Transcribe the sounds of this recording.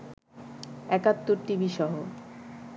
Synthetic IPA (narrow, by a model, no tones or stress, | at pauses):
ɛkat̪ːoɾʈibiʃɔɦo